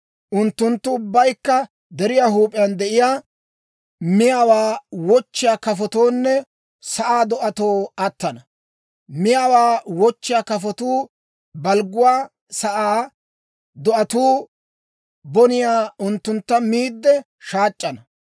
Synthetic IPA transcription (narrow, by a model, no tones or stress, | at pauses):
ʔʊnt̪ːʊnt̪ːʊʊbːɐjkːɐ | d̪ɛɾɪjaːɦuːpʼɪjɐnd̪ɛʔɪjaː | mɪjawaːwɔt͡ʃːɪjaːkɐfɔt̪oːnːɛ | sɐʔaːd̪ɔʔɐt̪o̞ːɐt̪ːɐnɐ | mɪjaːwaːwɔt͡ʃːɪjaːkɐfɔt̪uː | bɐlɡʊwaː | sɐʔaː | d̪ɔʔɐt̪uː | bɔnɪjaːʊnt̪ːʊnt̪ːɐmiːd̪ːɛ | ʃaːt͡ʃʼːɐnɐ